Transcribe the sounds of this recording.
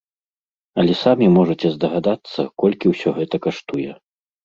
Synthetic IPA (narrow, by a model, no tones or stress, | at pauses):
ɐlʲɛsamʲimɔʐɐt͡sʲɛzd̪ɐɣad̪at̪sːɐ̰kɔlʲkʲiwsʲɔɣɛt̪ɐkaʂt̪ujɛ